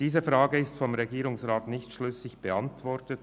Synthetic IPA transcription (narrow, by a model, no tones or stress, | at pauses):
d̥iːzəfʁaːɡəɪstfɔmʁeɡiːɾʊŋsʁaːtnɪçtʃlʏsɪçb̥əantvɔɾtət